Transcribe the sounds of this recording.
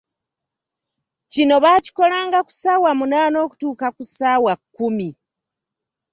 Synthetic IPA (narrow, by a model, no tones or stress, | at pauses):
cino̞βaci̥ko̞laːŋɡaku̥sawamunaːno̞ːku̥tuːkakusaːwakːumi